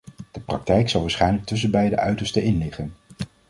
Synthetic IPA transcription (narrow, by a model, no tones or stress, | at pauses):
d̥əprɑ̰k̚tɛjksɑlˠʋaːsχɛjnlək̚tɵs̬ənbɛjdə̰ʔœɥtəɹstəʔɪnlɪχən